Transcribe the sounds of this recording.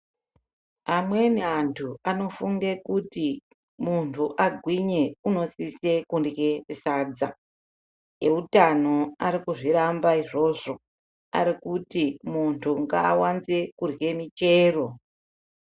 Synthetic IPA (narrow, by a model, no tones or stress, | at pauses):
amwe̞neantʰuano̞fuŋɡe̞kuti | muntʰuʔaɡʱwiɲe̞uno̞sise̞kundɡe̞isaːd͡za | eutano̞aɾikuʐiɾambaiʐo̞ʐo̞ | a̰ɾikutimuntʰuŋɡa̰ːwanze̞kurɡe̞mit͡ʃe̞ːro̞